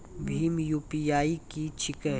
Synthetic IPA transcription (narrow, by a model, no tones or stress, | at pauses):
bʱiːmjuːpijaːikit͡ʃʰɪkə